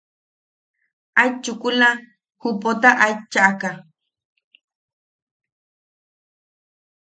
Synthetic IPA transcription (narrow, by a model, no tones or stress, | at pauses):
ajt͡ʃʊkʊla | hʊpot̪aʔajt͡ʃaʔka